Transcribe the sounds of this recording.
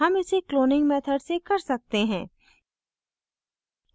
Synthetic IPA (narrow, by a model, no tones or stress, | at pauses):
ɦɐmɪsekloːnɪ̃ŋɡmɛːt̪ʰəɖsekɐɾsɐk̚t̪eɦɛ̃ː